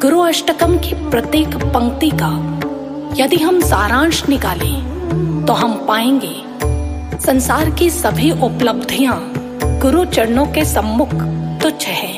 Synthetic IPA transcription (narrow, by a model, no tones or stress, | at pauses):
ɡʊɾuɐʃʈəkəmkipɾɐt̪eːkpɐ̃ŋkt̪ika | jɐd̪iɦɐmsaːɾãːnʃnɪkaːlẽ | t̪oɦɐmpaːẽːŋɡeː | sɐ̃nsaːɾkisɐbʱiʔʊpləbd̪ʱijã | ɡ̥ʊɾut͡ʃɐɽnõkesɐmːʊkʰt̪ot͡ʃʰɐɦɛː